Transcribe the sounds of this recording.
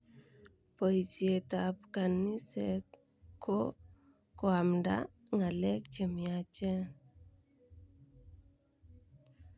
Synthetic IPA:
pojsiet̪apkanːise | kʰːo | koamda̰ | ŋalek̚t͡ʃemiat͡ʃe

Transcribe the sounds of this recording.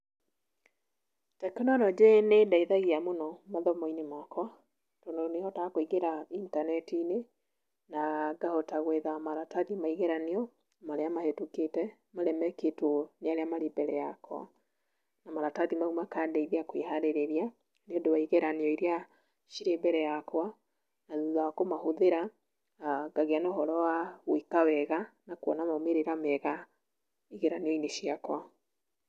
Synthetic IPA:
takɛnɔnɔd͡ʒenedaiðaɣiamonɔmaðɔmɔinemakʰɔ | tɔndonehɔtakoiɣeɾaintanɛtine | naɡahotaɣweðamaɾataðimaiɣeɾaniɔ | maɾeamahetuketɛ | maɾɛmɛketoneaɾeamaɾebɛɾɛjakʰɔ̰ | namaɾataðimaumakandɛiðeakweɦaɾeɾeɾia | neodowaiɣeɾaniɔiɾea | ʃiɾebɛɾɛjakwa | naðuðaakomahoðeɾa | ɡaɣeanohɔɾɔwawikawɛɣanakwɔ̰namameɾeɾamɛɣa | iɣeɾaniɔineʃiakwa

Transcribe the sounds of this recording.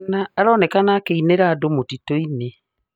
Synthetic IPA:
aaɾɔːnɛkanakeineɾaːdomotitoine

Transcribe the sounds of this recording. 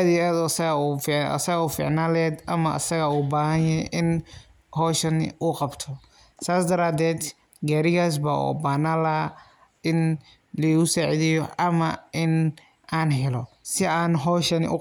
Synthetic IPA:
ðiad̪ɔsɐɣɐufɐ̰sɐɣuːfḭʕnaːlɛːd̪ʔɐmɐʔɐ̰sɐɣɐuːbaːhɐnjʔɪn | hɔːʃɐn̰uqɑbt̪ʰɔ | saːsd̪ɐɾaːd̪ɛːd̪ | ɡaːɾɪɣaːs̬bɐṵːbaːnaːlɐ | ɪn | lɐɣʊsaːʕiðɪjɔɐmɐʔɪn | ʔaːnɦɛlɔ | sɪaːnɦɔːʃɐnʔʊ̰

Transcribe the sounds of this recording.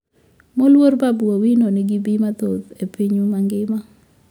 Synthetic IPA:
molwoɾbabuawinonɪɡibimat̪od̪epiɲumaŋɡɪma

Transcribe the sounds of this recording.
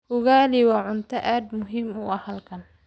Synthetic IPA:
hʊɣaːliwɑːʕʊnt̪ʰɐʔaːd̪mʊɦiːmʊɐhɐlkʰɐn

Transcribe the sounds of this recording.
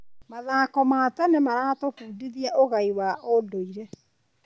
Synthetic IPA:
maðaːkɔmatɛnemaɾaːtofuːdiðiaʔoɣaiwaodoiɾɛ

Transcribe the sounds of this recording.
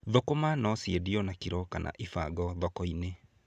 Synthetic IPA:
ðokomanɔsjeðiɔnakiɾɔkanʔa̰ʔifaɡɔðɔkɔine

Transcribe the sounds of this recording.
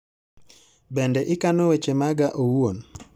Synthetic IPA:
bɛndɛʔɪkanowet͡ʃemaɡaʔowwon

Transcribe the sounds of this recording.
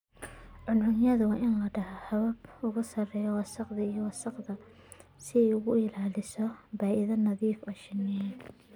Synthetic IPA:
ʕʊnʕʊnjɐðʊwɑːʔɪnlɐɖɐɦɐhɐβɐbʊɣʊsɐrɛːjɔwɑsɐqðɐijɔwɑsɐqðɐ | sɪɛjʊɣʊɪlaːlɪsɔbaːʔɪðɐnɐðiːfɔːʃɪnɛɛ

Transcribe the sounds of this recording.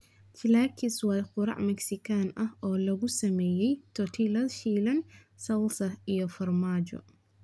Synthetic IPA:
t͡ʃʰɪlaːkʰɪswɑːjqʊɾɑ̰ʕmɛksɪkʰaːnʔɐhɔːlɐɣʊsɐmɛːjɛjt̪ʰɔt̪ʰilɐdʃiːlɐn | sɐlsɐijɔfɐrmaːd͡ʒɔ̰

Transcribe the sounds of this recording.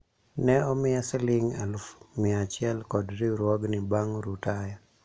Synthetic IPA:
nɛɔmɪasɛlɪŋa̰lufmɪat͡ʃɪɛlkɔdɾiɾwɔɡnɪbaŋɾutaja

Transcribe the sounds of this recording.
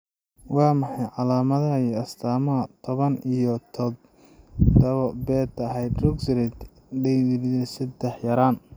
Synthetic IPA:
wɑːmɑħɑjʕɑlaːmɐðɐiɐst̪ʰaːmɐɐt̪ʰɔβɐnijɔt̪ʰɔ | d̪ɐβɔbɛːd̪ɐɦɛjd̪rʊɡsɾɛt̪ | ɖɛjlðɛsɐd̪ɛħjɐɾaːn

